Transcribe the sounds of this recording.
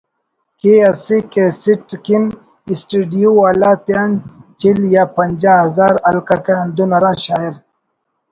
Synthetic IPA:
keɐsikesiʈkin | isʈiɖijuwaːlaːt̪eant͡ɕiljapɐɲd͡ʑaɦɐzaːɾɐlkɐkeɐnd̪unɐɾãːɕaːiɾ

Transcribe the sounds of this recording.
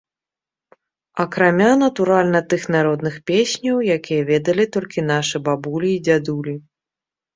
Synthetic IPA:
ɐkɾamʲanɐt̪uɾalʲnɐt̪ɨxnaɾɔd̪nɨxpʲesʲnʲɐwjakʲijɐvʲɛd̪ɐlʲit̪ɔlʲkʲin̪aʂɨbabulʲiːd͡zʲad̪ulʲi

